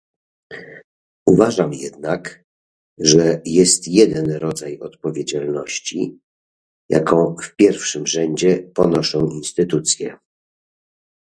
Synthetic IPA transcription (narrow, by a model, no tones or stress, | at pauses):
uvaʐamjɛd̪nak | ʐɛjɛst̪jɛd̪ɛnɾɔd̪zajɔt̪pɔvʲjed͡ʑalnɔɕt͡ɕḭ | ja̰kʰɔ̃w̃fpʲjɛɾfʂɘmʐɛɲd͡ʑɛpɔnɔʂɔ̃w̃inst̪ɘt̪ut̪sʲjɛ